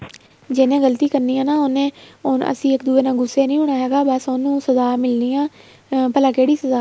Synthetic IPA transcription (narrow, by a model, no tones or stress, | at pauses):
d͡ʒɪnẽːɡəlt̪iːkəɾniːãːnaːɦʊnẽːʊnə̰sĩːɪkd̪uːeːnãːɡʊsːeːnəĩːɦʊɳaːɦɛːɡaːbəsʊnũːsəzaːmɪlniːãː | pəlaːkeːɽiːsəzaː